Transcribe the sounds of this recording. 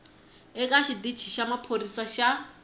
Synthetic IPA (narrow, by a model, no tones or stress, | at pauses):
ɛkʼaʃidi̥t͡ʃʰiʃamapʰoɾisaʃa